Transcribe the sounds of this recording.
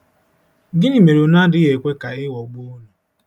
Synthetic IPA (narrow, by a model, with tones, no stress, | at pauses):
ɡɪ˦ni˨me˨ɾo˨na˦dɪ˦ɣe˨kʷe˦ka˨ɪ˦wɔ˨ɡ͡bo˦nu˨